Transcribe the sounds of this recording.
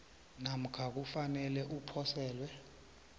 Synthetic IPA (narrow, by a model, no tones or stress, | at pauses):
nam̩kʰak̬ufanɛlɛʔupʰɔsɛːlwɛ